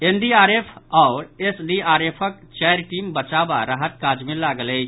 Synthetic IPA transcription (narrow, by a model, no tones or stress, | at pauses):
enɖiaɾepʰɔʊɾesɖiaɾepʰək | t͡ʃajɾʈimbət͡ʃaba̰ɾaɦət̪kad͡ʒmẽlaɡələ